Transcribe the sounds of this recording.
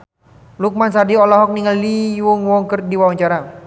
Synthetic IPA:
luk̚mansadiɔlɔɦɔk̚niŋəlːiwuŋwɔŋkərdiwawaɲt͡ʃaɾa

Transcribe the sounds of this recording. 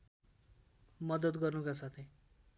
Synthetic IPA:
mʌd̪ʌd̪ɡʌrnukasat̪ʰe

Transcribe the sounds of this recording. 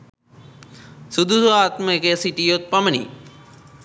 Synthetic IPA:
sud̪ʱusoaːt̪mɐkesiʈijot̪̚pɐmɐnḭ

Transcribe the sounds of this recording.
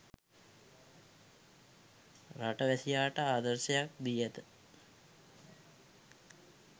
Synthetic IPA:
raʈəʋæsijaːʈəaːd̪əɾsejak̚d̪ijet̪ə

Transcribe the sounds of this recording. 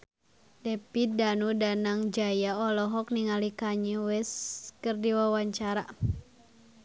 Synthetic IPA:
dɛpidanudanaŋd͡ʒajaɔlɔɦɔk̚niŋalikaɲɛwɛskərdiwawaɲt͡ʃaɾa

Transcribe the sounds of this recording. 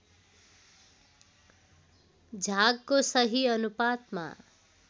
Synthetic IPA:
d͡zʱaɡkosʌɦiʌnupat̪ma̰

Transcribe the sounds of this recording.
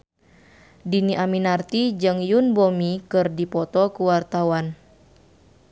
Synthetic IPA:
diniʔaminart̪id͡ʒɨŋjunbomikɨrdipɔt̪ɔkuwart̪awan

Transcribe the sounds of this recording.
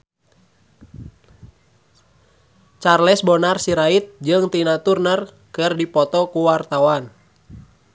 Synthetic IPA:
t͡ʃarlɛsbɔnarsiɾait̪̚d͡ʒɨŋt̪inat̪urnər | kɨrdipɔt̪ɔkuwart̪awan

